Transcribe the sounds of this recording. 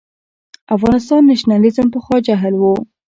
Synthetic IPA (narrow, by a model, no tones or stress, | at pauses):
afɣɑnɪs̬t̪ɑnːaʃnɑlizəmpəxwɑd͡ʒaɦəlwu